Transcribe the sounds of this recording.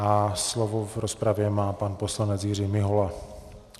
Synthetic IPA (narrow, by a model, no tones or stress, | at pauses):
aslovovɾɔspɾavjɛmaːpanposlaɲɛd͡zjɪr̝iːmɪɦɔla